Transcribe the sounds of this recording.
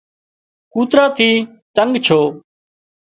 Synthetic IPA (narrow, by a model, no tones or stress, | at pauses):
kuːt̪ɾaːt̪ʰiː | t̪əŋɡt͡ʃʰoː